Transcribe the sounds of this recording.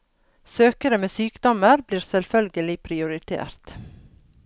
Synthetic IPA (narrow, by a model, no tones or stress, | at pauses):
søːkəɾəmeːsyːkd̪ɔməɾbliːɾsɛlfœlɡəlɪpʰɾɪʊɾɪt̪ʰḛːɾt̪